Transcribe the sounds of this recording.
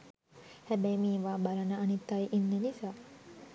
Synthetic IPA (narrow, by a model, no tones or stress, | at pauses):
hæbæjmiːʋaːbalənəːnit̪ːajʔinːenisaː